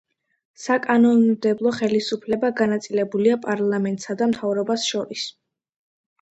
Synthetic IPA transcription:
sakʼanɔnmd̪ɛblˠɔχɛlisupʰlɛbaɡanat̪sʼilɛbuliapʼaɾlˠamɛnt̪ʼsad̪amt̪ʰavɾɔbasʃɔɾis

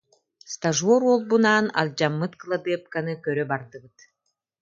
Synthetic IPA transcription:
st̪aʒuɔɾɔlˠbunaːna̰lʲd͡ʑamːɯt̪klˠabɛp̚kanɯkœɾœbaɾd̪ɯbɯt̪

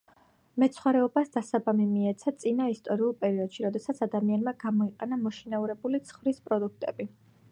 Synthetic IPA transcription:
mɛt̪sʰχwaɾɛɔbasd̪asabamimiɛt̪sʰat̪sʼinaist̪ʼɔɾiulˠpʼɛɾiɔd̪̥ʃiɾɔd̪ɛsat̪sʰad̪amianmaɡamɔiqʼɛnamɔʃinauɾɛbulit̪sʰχvɾispʼɾɔd̪uk̚ʰt̪ʼɛbi

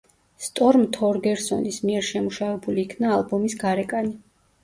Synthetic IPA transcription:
st̪ʼɔɾmt̪ʰɔɾɡɛɾsɔ̰nismiɛɾʃɛmuʃavɛbuliːkʰnaːlˠbɔmisɡaɾɛkʼani

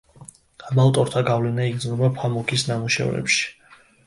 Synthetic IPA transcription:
abalt̪ʼɔɾt̪ʰaɡavlɛnaiɡd̪znɔbapʰamɔkʰisnamuʃɛ̰vɾɛ̰pʃi̥

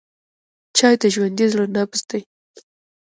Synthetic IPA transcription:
t͡ʃɑjt̪aʒwand̪izlonapəst̪aj

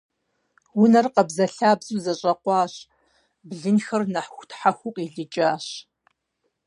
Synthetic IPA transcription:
wʊnɐrqɐbzɐɬaːbzuːzɐɕʼɐqʷɑːɕ | bɮɨnxɐrnɐħxʷtʰħaxʷʊqʼiɮɨt͡ʃʼaːɕ

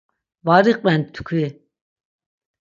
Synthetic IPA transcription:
vaɾiqʼmɛnt̪ʰkʰwi

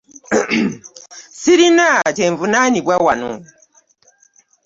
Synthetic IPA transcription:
siɾinateɱvunaniɓwawanu

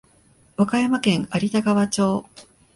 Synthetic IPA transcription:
βakajamakẽ̞ŋaɾʲit̪aɡaβat͡ɕo̞ː

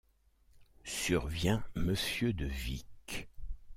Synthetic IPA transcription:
syʁvjɛ̃məsjød̪əvik

